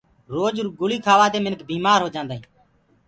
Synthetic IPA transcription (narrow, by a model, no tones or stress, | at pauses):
ɾoːd͡ʒɾɡʊliːkʰaːʋaːd̪eːmɪnkbiːmaːɾɦoːd͡ʒãːnd̪aːĩː